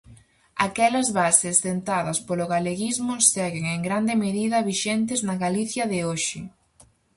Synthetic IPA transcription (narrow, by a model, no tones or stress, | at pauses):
akɛlɐzβasɪst̪ent̪aðɐspolʊɣaleɣizmʊsɛɣeŋeŋɡɾand̪ɪmeðiðɐβiʃɛnt̪̬ɪznɐɣaliθjɐðɪoʃɪ